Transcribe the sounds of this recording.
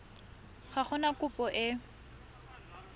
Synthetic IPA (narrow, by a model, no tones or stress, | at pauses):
χaχʊnakʊpʼɔʔɪ